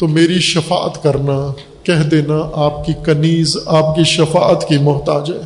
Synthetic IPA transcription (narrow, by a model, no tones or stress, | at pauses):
t̪omeːɾiʃɐfa̰ːət̪kɐɾna | kɛɦd̪eːnaʔaːp̚kikɐniːzaːpkiʃɐfa̰ːət̪kimʊɦt̪aːd͡ʒɦɛː